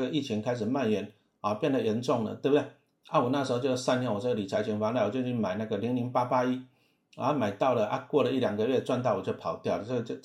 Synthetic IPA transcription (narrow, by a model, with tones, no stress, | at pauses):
ɡə˩i˥˩t͡ɕʰi˧˥ŋkʰa˥ɪʂ̬̩˨˩ma˥˨nɥɛ˨˧˥n | ɔ˥˨˩pjɛ˥˨nd̪ə˨˩jɛ˧˥nt͡sʊ˥˩ŋlə̰˩t̪we˥˩bt̪e˥˩ɪ | a˥˨wɔ˨˩na˥˩ʂ̩˧˥xo˥˧t͡ɕo˥˧sa˥njɛ˧˥˦nwɔ˨˩ʈ͡ʂə˥˩ɡə˨li˨˩t͡sʰa˧˥ɪt͡ɕʰi˧˥ŋfa˧˦na˥˩wɔ˨˩t͡ɕjo˥˧t͡ɕʰy˥˩ma˨˩ɪna˥˩ɡə˩li˧˥ŋli˧˥ŋpa˦˥pa˦i˦˥˧ | ma˨˩ɪt̪ɑ˥˩ʊlə˩ʔa˦kwɔ˥˩lə˩i˥˩lja˨˩ŋɡə˨ɥɛ˥˩t͡swa˧nt̪̬ɑ˥˩ʊwɔ˨˩t͡ɕjo˥˧˩pʰɑ˨˩ʊt̪jɑ˥˩ʊlə˩ə˥˧t͡ɕo˥˧